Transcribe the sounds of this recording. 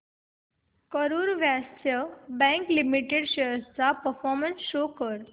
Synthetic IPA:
kəɾuːɾʋastjəbɛ̃ŋklimiʈeɽɕejəst͡sapəɾfɔɾmənsɕokəɾ

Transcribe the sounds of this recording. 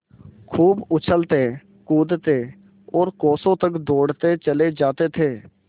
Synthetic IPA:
kʰuːbʊt͡ʃʰəlt̪eː | kuːd̪t̪eː | ɔːɾkɔːsõt̪əkd̪oːɽt̪et͡ʃəled͡ʒaːt̪et̪ʰeː

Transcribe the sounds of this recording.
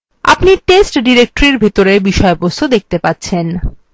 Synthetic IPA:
a̰pniʈesʈɖiɾek̚ʈoɾiɾbʱet̪oɾebiʃɔebosod̪ek̚ʰt̪epat̪ːɕʰen

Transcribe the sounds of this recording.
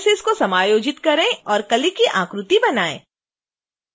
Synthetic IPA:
seɪskosɐmaːjoːd͡ʒɪt̪kɐɾẽɔːɾkɐlikiʔã̰ːkɾʊt̪ibɐnaːḛ̃ː

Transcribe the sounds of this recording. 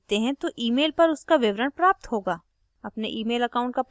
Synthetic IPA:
t̪eɦɛ̃t̪oʔiːmeːlpɐɾʊskaʋɪʋɾəɳpɾaːp̚t̪ɦoːɡaː | ɐpneʔiːmeːlɐkaːʊ̃ɳʈkap

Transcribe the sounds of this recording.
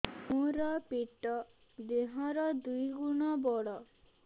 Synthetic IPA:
mũɾɔpiʈɔ | d̪eɦɔɾɔd̪ujɡuɽ̃ɔbɔɽɔ

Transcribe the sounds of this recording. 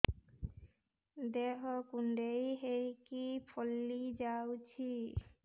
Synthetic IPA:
d̪eɦɔkuɳɖejɦejkipʰɔlːid͡ʒawt͡ɕʰi

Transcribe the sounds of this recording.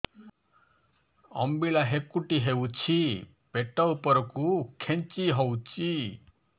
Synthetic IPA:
ɔ̰mbilaɦekuʈiɦewt͡ʃʰi | peʈawpɔɾɔkukʰent͡ʃiɦɔwt͡ʃʰi

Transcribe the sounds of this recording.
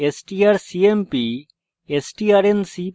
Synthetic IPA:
esʈiaɾsiempi | esʈiaɾensi

